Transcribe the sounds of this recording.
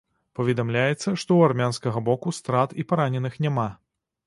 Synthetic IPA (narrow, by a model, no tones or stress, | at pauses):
pɐvʲɛd̪amlʲajɛt̪sːɐʂt̪ɔwarmʲanskɐɣɐbɔkust̪ɾat̪ipaɾanʲɛnɨxnʲama